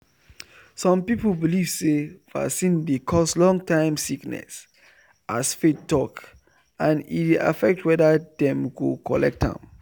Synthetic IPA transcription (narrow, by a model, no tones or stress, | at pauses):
sɔ̃mpiplbiliv̥sefa̰sĩndekʰɔslɔ̃ŋtʰãɪ̃msiknɛ̰s | ʔasfetːɔk | ãnḭta̰fɛk̚twɛdadɛ̃mɡokʰɔ̰lɛk̚tã̰m